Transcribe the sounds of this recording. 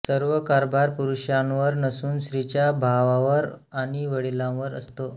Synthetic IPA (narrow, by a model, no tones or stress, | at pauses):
səɾʋəkaɾbʱaɾpuɾuɕãʋəɾnəsuːnɕɾit͡ɕjabʱaʋãʋəɾ | aɽ̃iʋəɽilãʋəɾə̰st̪o